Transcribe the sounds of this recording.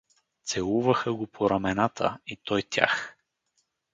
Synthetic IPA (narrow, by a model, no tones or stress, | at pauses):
t̪sɛlˠuvəxəɡopʰoɾɐmɛnat̪ʰə̰it̪ɔjt̪ʲja̰x